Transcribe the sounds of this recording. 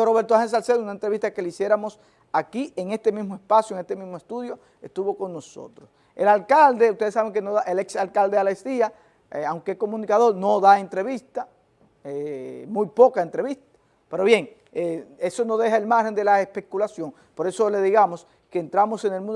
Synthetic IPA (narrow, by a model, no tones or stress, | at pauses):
roβe̞ɾt̪ohens̬alseðunaent̪ɾe̞βist̪ake̞leisje̞ɾamo̞s | akiʔeŋe̞st̪e̞mismoe̞spasjoeŋest̪emismoest̪uðjo̞ | est̪uβo̞ko̞ŋno̞so̞̰t̪ɾos | elalkald̪e̞ust̪e̞ðsaβe̞ŋkenoðaʔeleksalkald̪ealest̪ia | awŋkeko̞mũnikaðo̞ɾno̞ðaent̪ɾe̞βist̪a | emũjpo̞kae̞nt̪ɾeβist̪ḁ | pe̞ɾo̞βje̞ŋ | ee̞so̞no̞ð̞e̞ɦae̞lmaɾxhend̪e̞laespe̞kulasjo̞ŋ | po̞ɾe̞sole̞ðiɣamos | ke̞ːnt̪ɾamo̞se̞ŋelmũnd